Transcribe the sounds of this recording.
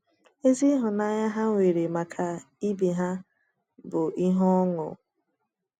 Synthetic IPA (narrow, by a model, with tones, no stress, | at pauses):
e˦zi˦ɦʊ˨na˦ɲa˦ɦa˦ŋʷe˨ɾe˨ma˨kʰa˨ | i˦bi˨ɦa˦ | bʊ˨i˦ɦɔ˦ŋʊ̰˨